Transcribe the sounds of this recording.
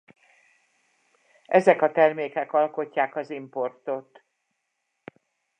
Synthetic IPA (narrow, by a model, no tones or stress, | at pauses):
ʔɛzɛkɒt̪ɛrmeːkɛkɒlko̞cːaːkɒzimpo̞rt̪o̞t̪